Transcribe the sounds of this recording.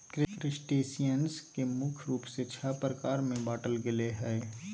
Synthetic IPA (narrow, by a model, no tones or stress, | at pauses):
kɾɪkɾɪsʈeːsijənskemʊkʰɾuːpset͡ʃʰəpɾəkaːɾmẽbaːʈəlɡɪleɦɛː